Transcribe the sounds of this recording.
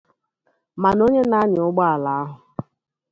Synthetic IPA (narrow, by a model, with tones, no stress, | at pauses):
ma˨no˦ɲe˦na˦ɲɪ˨ʊ˦ɡ͡ba˦a˨la˨a˦ɦʊ˨